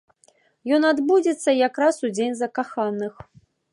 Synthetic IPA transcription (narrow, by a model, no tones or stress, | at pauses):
jɔnad̪bud͡zʲɛt̪sːɐjakɾasud͡zʲenʲzɐkaxanːɨx